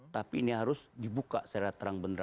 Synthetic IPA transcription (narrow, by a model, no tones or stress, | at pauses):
t̪apiːniɦaɾʊsdibuka̰saɾat̪əɾaŋbəndəɾ